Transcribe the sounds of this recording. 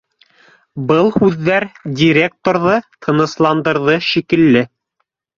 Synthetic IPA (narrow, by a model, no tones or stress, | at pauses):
bɤlˠhʉðːæɾdʲiɾʲe̞k̚t̪oɾðɤt̪ʰɤ̆nɤ̆slˠɑnd̪ɤ̆ɾðɤʃikɘ̆lːɘ